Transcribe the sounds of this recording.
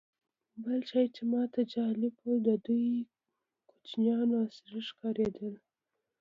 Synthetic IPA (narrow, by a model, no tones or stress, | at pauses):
bəlt͡ʃɑjt͡ʃemɑt̪ʰad͡ʒɑlɪbod̪əd̪uj | kot͡ʃnjɑnɑsɪɾəʃkɑɾed̪əl